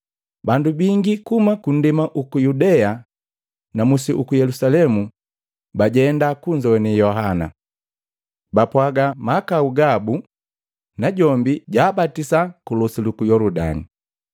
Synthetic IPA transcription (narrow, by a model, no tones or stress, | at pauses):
bandubiŋɡikumakun̩dimaʔukujudɛa | namusiʔukujɛlusalɛmu | baɟɛndakuɲd͡ʒɔɛnijɔɦana̰ | bapwaɡamakauɡabu | naɟɔmbiɟaːbatisakulɔsilukujɔlɔda̰ni